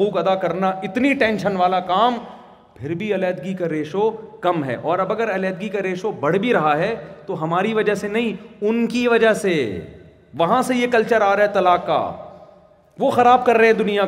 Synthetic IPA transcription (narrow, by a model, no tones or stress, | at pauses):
uːqɐd̪akɐɾnaɪt̪niʈɛ̃ːnʃənʋaːlakaːm | pʰɪɾbʱiɐlɛːd̪ɡikaɾeːʃokɐmɦɛ̰ːʔɔːɾɐbɐɡəɾɐlɛːd̪̚ɡikaɾeːʃobɐɽ̤bʱiɾɐɦaɦɛt̪oɦɐmaːɾiʋɐd͡ʒəɦsenɐɦĩʊnkiʋɐd͡ʒəse | ʋɐɦãsejekɐlt͡ʃəɾaːɾaɦɛt̪ɐlaːka̰ː | ʋoːxɐɾaːb̚kɐɾːɐɦɦɛ̃d̪ʊnija